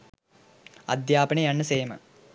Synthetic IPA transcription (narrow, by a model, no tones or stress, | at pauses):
ɐ̰d̪jaːpɐɳəjanːəseːmə̰